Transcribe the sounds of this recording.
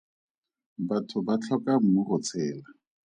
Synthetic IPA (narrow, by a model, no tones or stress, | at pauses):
batʰʊbat͡ɬʰɔkʼam̩mʊχʊt͡sʰɛːla